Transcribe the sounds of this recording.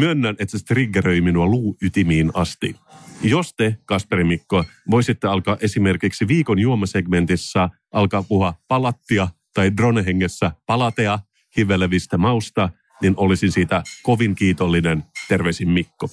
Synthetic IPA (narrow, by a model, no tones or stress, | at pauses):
myønːænet̪sæst̪riɡːerøiminuɑluːyt̪imiːnɑst̪ijost̪ekɑspeɾimikːoɑʋojsit̪ːeɑlkɑːʔe̞sime̞rkiksiʋiːkonjuomɑseɡment̪isːɑ | ʔɑlkɑːpuhuɑpɑlɑt̪ːiɑt̪ɑidroneɦeŋːesːæpɑlɑt̪eɑ | hiʋelːæʋist̪æmɑust̪ɑ | ninʔolisinsiːt̪æko̞ʋiŋkiːt̪olːinent̪e̞rʋeisimːikːo